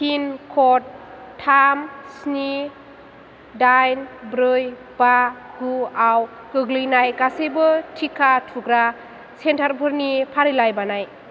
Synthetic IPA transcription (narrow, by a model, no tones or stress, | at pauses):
hinkʰɔt̚ʰːamsni | dajnbɾɯj | baɡuaw | kɯɡlɯjnajɡasɯjbɯtʰikʰatʰuɡɾa | sentʰaɾbʰʱɯɾnipʰaɾilajbanaj